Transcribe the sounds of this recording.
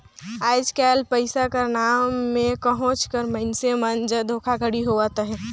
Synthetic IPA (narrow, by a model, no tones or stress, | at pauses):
aːd͡ʒkɛːlpəɪsakanaːmːẽkəɦõt͡ʃkəɾməɪnsemənd͡ʒəd̪ʱokʰakəɽiɦoʋat̪ɦɛ